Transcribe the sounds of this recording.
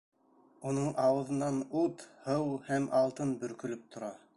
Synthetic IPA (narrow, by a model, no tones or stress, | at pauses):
unɤɴʔɑwɤ̆ðɤ̆nːɑnut̪hɤwhæmʔɑlˠt̪ɤnbɵ̆ɾkɵ̆lɵp̚t̪ʰŏɾɑ